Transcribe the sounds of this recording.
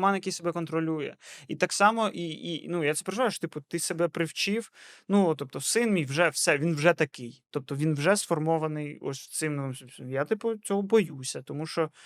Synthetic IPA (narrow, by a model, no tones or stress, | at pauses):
mɑnjɐkɪjsebɛkɔnt̪ɾɔlʲujɛ̰it̪ɑksɑmɔʔiḭnujat̪ɛpeɾeʒʊʋajʊʃɔt̪ɪpʊt̪ɪsebɛpɾɪwt͡ʃiwnut̪ɔp̚t̪ɔsɪnmʲijwʒɛwsɛʋʲinwʒɛt̪ɐkɪjt̪ɔp̚t̪ɔʋʲinwʒɛsfɔrmɔʋɐnɪjɔ̰sʲt̪ɪmnɔʋɪmsʲsjat̪ɪpʊt͡sʲɔɦɔbɔjusʲɐt̪ɔmuʃt͡ʃɔ